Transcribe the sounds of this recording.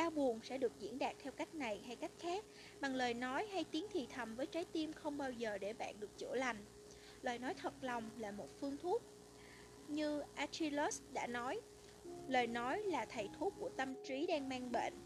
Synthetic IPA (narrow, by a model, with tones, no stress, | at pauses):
ʔaː˧wɓu˨˩ənsɛ̰˧˥ɗɨ˨˩ək̚zḭ˧˥ənɗaː˨˩k̚t̪ʰɛ˧wka˦˥jk̟̚na˨˩jɦa˧jka˦˥jk̚xaː˦˥k̚ | ɓa˨˩ŋləː˨˩jnɔ˨˦jɦa˧jt̪i˨˦əŋt̪ʰḭ˨t̪ʰə˨˩mvəː˨˦jt͡ɕaː˨˦jt̪i˧mxə˧wŋ͡mɓaː˧wzəː˨˩ɗe˧˩ɓa̰ː˧˨nɗɨ˨˩ək̚t͡ɕɨ̰˧˩la˨˩jŋ̟ | lwaː˨˩jnɔ˨˦jt̪ʰə˨˩t̚la˨˩wŋ͡mlaː˨˩mo˨˩t̚fɨ˧əŋt̪ʰu˦˥ət̚ | ɲɨ˧ʔaː˧t͡ɕi˧lo˦˥sɗa̰ː˧˥nɔ˨˦j | ləː˨˩jnɔ˨˦jlaː˨˩t̪ʰə˨˩jt̪ʰu˦˥k̚kːu˧˩ət̪ə˧mt͡ɕi˨˦ɗaː˧ŋmaː˧ŋɓḛ˧˨nʔ